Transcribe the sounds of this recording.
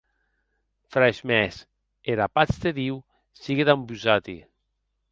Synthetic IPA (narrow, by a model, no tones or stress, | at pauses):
fɾaʃmɛs | eɾapat͡st̪eðiw | siɣeðambyzat̪ḭ